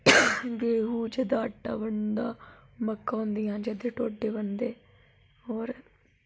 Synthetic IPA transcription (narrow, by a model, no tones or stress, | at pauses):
ɡeːɦuːd͡ʒeːd̪aːəʈːa̰ːbəɳd̪aːməkːaːɦʊ̃nd̪ijãːd͡ʒed̪eʈoːɖːeːbənd̪eː | ɔːɾ